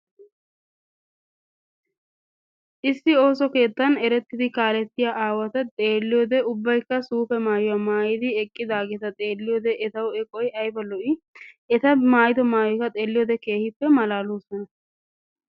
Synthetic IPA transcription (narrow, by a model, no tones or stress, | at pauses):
ʔɪsːɪo̞ːsɔke̞ːt̪ːɐnɛɾɛt̪ːɪd̪ɪkaːlɛt̪ːɪjaʔaːwɐt̪ɐt̪ʼe̞ːlːɪjoːd̪ɛʊbːɐjkːɐsuːfɛmaːjɔwamaːjɪd̪ɪɛkʼːɪd̪aːɡɛt̪ɐt̪ʼe̞ːlːɪjoːd̪ɛʔɛt̪ɐwɛkʼɔjʔɐjbɐlɔʔɪ | ɛt̪ɐmaːjɪd̪ɔmaːjɔjkɐt̪ʼe̞ːlːɪjoːd̪ɛke̞ːhɪpːɛmɐlaːloːsɔnɐ